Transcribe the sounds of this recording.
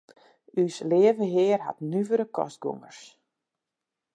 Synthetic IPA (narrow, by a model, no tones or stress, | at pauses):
ysleːəvəɦɪːrɦa̰tnyvəɾəkʰɔ̰st̚ɡṵŋərs